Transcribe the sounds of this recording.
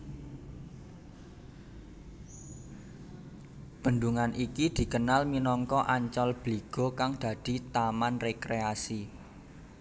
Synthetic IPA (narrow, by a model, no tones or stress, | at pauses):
b̥ə̤nd̪uŋanʔikid̪̥i̤kənalminɔŋkɔʔaɲt͡ʃɔlb̥liɡ̥ɔ̤kaŋd̪̥a̤d̪̥i̤t̪amanrekɾeasi